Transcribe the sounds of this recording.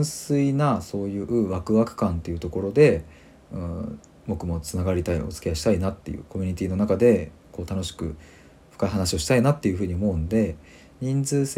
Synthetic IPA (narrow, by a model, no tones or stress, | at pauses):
sɨinaso̞ːjɯ̟ːʔɯ̟βakɯ̟βakɯ̟̥kãnt̪ːe̞jɯ̟t̪o̞ko̞ɾo̞d̪e̞ | ɯ̃ | bo̞kɯ̟mo̞t͡sɨnaɡaɾʲit̪aio̞̰t͡sɨ̥kʲe̞aɕi̥t̪ainat̪ːe̞̰jɯ̰ːko̞mʲi̟ɲ̟it̪ʲiːno̞nakad̪e̞ | ko̞ːt̪ano̞ɕi̥kɯ̟ | ɸɯ̥kaiɦanaɕio̞ɕi̥t̪ainat̪ːe̞jɯ̟ɸɯ̟ːɲ̟io̞mo̞ɯ̟nod̪e̞ | ɲ̟ĩnd͡zɨːs